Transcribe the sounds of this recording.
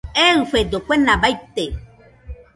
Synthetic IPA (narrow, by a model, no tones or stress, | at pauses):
eɨɸed̪okʷenabajt̪e